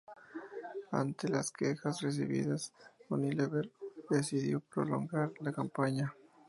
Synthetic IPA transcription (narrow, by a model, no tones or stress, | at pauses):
a̰nt̪e̞laske̞xasre̞s̬ḭβḭðasxonileβeɾd̪e̞siðjo̞pɾo̞̰lo̞̰ŋɡaɾlakampaɲa